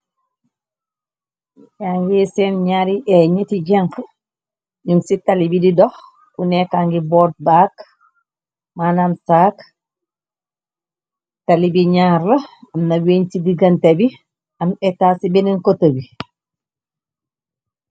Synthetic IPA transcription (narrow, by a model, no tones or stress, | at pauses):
jaŋɡisenɲaːɾiʔeɲetiɟaŋk | ɲumsitalibididɔh | kunekaŋɡibɔːt̚bak | manamsaːk | talibiɲaːɾlɐɐmnɐweɲsidiɡɐntebi | ɐmɛtasibeninkotɐbi